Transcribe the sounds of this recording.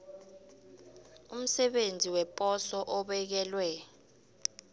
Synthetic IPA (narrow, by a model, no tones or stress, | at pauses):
um̩sɛɓend͡zʱiwɛpʼɔsɔʔɔɓɛk̬ɛlwɛ